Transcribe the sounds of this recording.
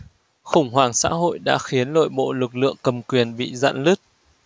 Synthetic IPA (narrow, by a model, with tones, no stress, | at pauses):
xʊ˧˩ŋ͡mɦwaː˨˩ŋsa̰ː˧˥ɦo̰˧˨jɗa̰ː˧˥xi˨˦ənlo̰˧˨jɓo̰˧˨lɨ˨˩k̚lɨ̰˧˨əŋkə˨˩mkwi˨˩ənɓḭ˧˨za̰ː˧˨nlɨ˦˥k̚